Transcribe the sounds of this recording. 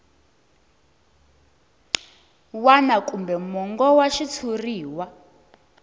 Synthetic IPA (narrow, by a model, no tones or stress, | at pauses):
wanakʼumbɛmɔŋɡɔwaʃit͡sʰuriːwa